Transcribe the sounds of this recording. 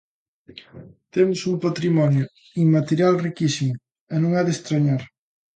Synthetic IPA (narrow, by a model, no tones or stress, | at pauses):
t̪emʊsumpat̪ɾimɔnjʊ | iŋmat̪eɾjalrikisimʊ | enõŋaðest̪ɾaɲaɾ